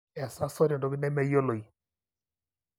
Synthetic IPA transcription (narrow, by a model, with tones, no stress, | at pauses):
ɛ˨sa˦sɔ˦ɾɔ˨ndɔ˨˦ki˦nɛ˦mɛ˦jo˦lo˨i˨